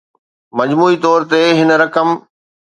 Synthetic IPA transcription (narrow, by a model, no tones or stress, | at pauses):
mɐd͡ʑmuːit̪ɔːɾt̪eɦɪn̆ɾɐkəm